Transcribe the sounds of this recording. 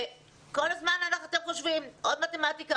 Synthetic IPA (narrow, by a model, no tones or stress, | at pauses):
e | ko̞lazmananaχoat̪emχoʃvimʔo̞d̪mat̪emat̪ika